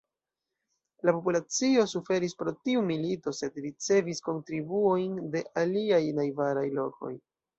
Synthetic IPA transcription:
lapopulat͡sio̞sufe̞ɾispɾo̞tiumilito̞se̞dɾit͡se̞visko̞ntɾibuojnde̞ʔaliajnajvaɾajlo̞ko̞̰j

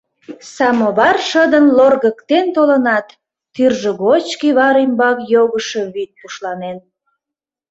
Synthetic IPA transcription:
sɑmoβɑrʃəd̪ənlorɣəkt̪ent̪olənɑt̪ː | yrʒəɣot͡ɕkiβɑɾimbɑkjoɣəʃə̽βit̪̚puʃlɑnen

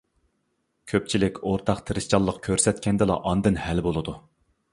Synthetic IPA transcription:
kʲʰøp̚t͡ʃʰilɪkʲoɾt̪ʰɑqt̪ʰɨɾɨʃt͡ʃʰɑlˠːəqkʲʰøɾsɛt̪kʲʰɛnd̪ɨlˠɑ̰ʔɑnd̪ɨnhælbolˠɨd̪u

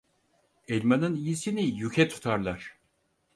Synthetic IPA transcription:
ɛlʲmanɯnijisinijycʰɛt̪ʰu̥t̪ʰaɾlˠaɾ̥

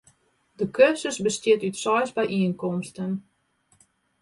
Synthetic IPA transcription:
dəkøsəsbəstɪtytsɔjsbɛjʔiənkɔmstən

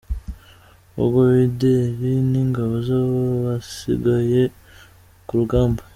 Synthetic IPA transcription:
o̰ɡoβideɾiniŋɡaβozaβoβasḭɡaje | kuɾuɡaːmbo

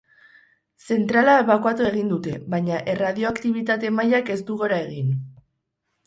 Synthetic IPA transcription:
se̞nt̪ɾalaeβakwat̪ue̞ɣ̞ind̪ut̪e̞βajɲaʔe̞rað̞io̞akt̪iβ̞it̪at̪e̞majake̞st̪uɣo̞ɾae̞ɣ̞in

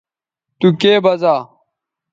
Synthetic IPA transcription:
t̪ukeːbɐzaː

